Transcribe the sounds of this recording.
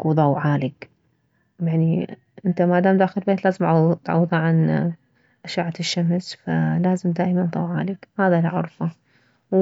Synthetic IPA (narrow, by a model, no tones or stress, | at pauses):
ðˤɑwʕaːlɪk | jaʕni | ʔɪnt̪amad̪aːmd̪aːxɪɾɪlbeːt̪laːzɪmt̪ʕɑ̰wːðˤɑʕan | ʔaʃaːʕaɪʃːamsfalaːzɪmd̪aːʔmanðˤɑwʕa̰ːlɪkhaːðalʕʊ̰ɾˤfɑ